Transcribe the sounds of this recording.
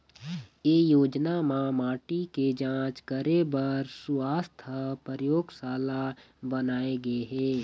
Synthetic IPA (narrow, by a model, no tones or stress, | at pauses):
eːjoːd͡ʒnamãmaːʈiked͡ʒãːt͡ʃkəɾebɐɾsʊaːst̪ʰəpɾəɾəjoːɡsaːla | bənaːeɡɐeɦɛː